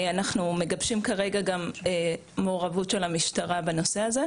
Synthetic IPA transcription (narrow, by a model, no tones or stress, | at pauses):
anaχnume̞ɡabʃimkaʁe̞ɡaɡameː | oːʁavutʃelamiʃtaʁabeno̞se̞aze̞